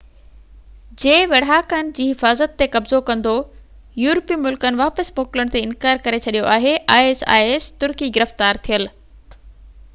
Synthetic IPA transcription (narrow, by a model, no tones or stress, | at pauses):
d͡ʑeːʋɐɽ̤aːkənɪ̆d͡ʑiːɦɪfaːzət̪ːekɐbzokɐ̃nd̪o | juːɾpiːmʊlkənɪ̆ʋaːpəsmoːkɪləɽ̃t̪eɪnkaːɾkɐɾet͡ɕʰɐɗijoʔaːɦeʔaːeːsa̰ːeːst̪ʊɾkiɡɪɾəft̪aːɾt̪ʰijəl